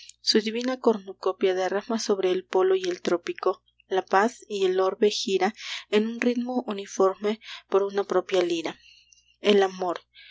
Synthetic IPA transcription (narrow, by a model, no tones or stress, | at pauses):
suðiβinako̞ɾnukopjaðeramaso̞βɾe̞ːlpo̞loie̞lt̪ɾo̞piko̞ | lapasielo̞ɾβexiɾaenunrit̪moʔunifo̞ɾmepoɾunapɾo̞pjaliɾa | elamo̞ɾ